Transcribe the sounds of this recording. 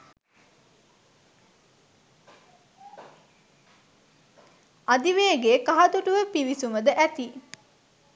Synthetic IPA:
ad̪iʋeːɡeːkaɦɐd̪uʈuʋəpiʋisuməd̪əʔæt̪i

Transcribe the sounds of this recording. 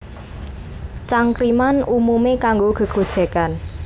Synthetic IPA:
t͡ʃaŋkɾimanumumekaŋɡoɡ̥ə̤ɡ̥o̤d̥ʒ̥ɛ̤kan

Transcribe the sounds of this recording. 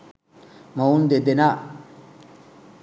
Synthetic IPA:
maund̪ed̪ena

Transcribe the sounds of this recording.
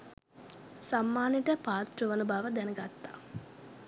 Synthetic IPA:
samːaːniʈəpaːt̪ruʋənubaːʋəd̪ɛnəɡat̪ːa̰ː

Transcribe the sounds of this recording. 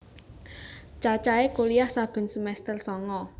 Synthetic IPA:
t͡ʃat͡ʃaekolijahsab̥ə̤nsəmɛst̪ərsɔŋɔ

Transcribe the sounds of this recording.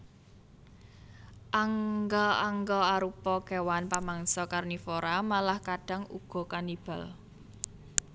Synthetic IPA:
ʔaŋɡɔaŋɡɔaɾupɔkewanpamaŋsɔkarnifoɾamalahkaɖ̥a̤ŋṵɡ̥ɔ̤kanib̥a̤l

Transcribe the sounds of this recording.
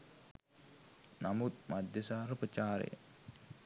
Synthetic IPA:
namut̪̚mad̪ʱjəsaːɾəpət͡ʃaːɾḛjə̰

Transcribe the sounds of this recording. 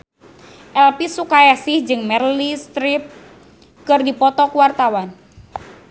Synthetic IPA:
ʔɛlpisukajasɪhd͡ʒɨŋmɛrlist̪ɾip̚ | kɨrdipɔt̪ɔkuwart̪awan

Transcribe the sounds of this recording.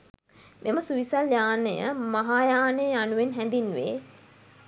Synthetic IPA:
mʔeməsuʋisaljaːnəjə̰maɦaːjaːnəjəanuʋenɦɛnd̪inːuʋḛː

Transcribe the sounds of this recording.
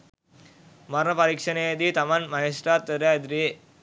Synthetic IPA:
mɐɾnɐpɐɾiːkʂɐneːd̪it̪ɐmɐnmɐɦesɾaːt̪ːɐɾad̪ɾi

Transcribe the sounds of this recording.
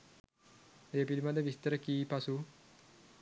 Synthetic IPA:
ɾepid̪imad̪eʋist̪əɾəkiːpasu

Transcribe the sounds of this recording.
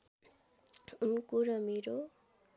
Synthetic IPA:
unkuɾʌmeɾo

